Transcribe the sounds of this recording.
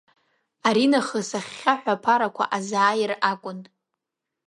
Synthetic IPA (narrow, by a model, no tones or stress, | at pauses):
aɾinaχəsaχʲːaħʷᶣapʰaɾakʷʰa̰ʔazaːjɪrakʷʼʊn